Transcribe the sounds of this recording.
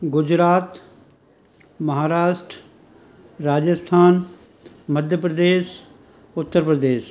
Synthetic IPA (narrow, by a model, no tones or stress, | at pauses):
ɡʊd͡ʑɾaːt̪ | mɐɦaːɾaːʃʈɾ | ɾaːd͡ʒəst̪ʰaːn | məd̪ʱjəpɾəd̪eːʃ | ʊt̪ːəɾpɾəd̪eːʃ